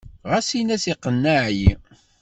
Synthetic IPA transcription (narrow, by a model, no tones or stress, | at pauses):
ʁæsinæsiqːənːaʕji